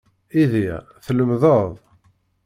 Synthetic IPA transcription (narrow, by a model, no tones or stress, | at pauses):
iði | θləmðəðˤ